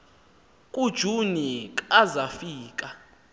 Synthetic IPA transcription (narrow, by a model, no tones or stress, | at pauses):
kʼud̥ʒ̥ʱunikʼazafiːkʼa